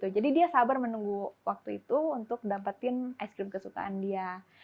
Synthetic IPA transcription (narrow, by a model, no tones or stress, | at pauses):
t̪ud͡ʒadidiasabarmənuŋɡuwʔak̚t̪uit̪uːnt̪ʊk̚dapat̪ɪnajskɾɪmkəsuka̰andia